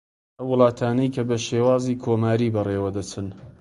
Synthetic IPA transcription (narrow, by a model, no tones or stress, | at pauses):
ʔɐwːʊlˠɑːt̪ʰaːnɐjkʰɐbɐʃeːwaːziːkʰoːmaːɾiːbɐreːwɐd̪ɐt͡sɨn